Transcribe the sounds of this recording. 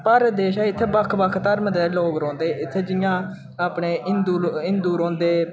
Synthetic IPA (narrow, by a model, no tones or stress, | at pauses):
pəɾd̪eːʃɛːɪt̪ʰːeːbəkʰbəkʰt̪əɾmd̪eːloːkɾɔ̃ːnd̪eːʔɪt̪ʰːeːd͡ʒɪjãː | aːpɳeːʔɪnd̪uːɪnd̪uːɾɔ̃ːnd̪eː